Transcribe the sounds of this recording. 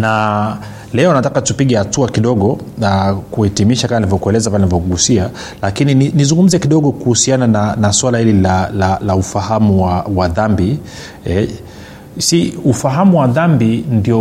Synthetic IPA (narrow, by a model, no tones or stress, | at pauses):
na | lɛɔnatakatupiɠɛhatuakiɗɔɠɔ | nakuhɛtimiʃakamanivɔkuɛlɛzapalɛnavɔkuɡusia | lakinininizuŋɡum̩zɛkiɗɔɠɔkuhusianananaswalahililalalaufahamuwawaðambi | ɛ | siufaɦamuwaðambindiɔ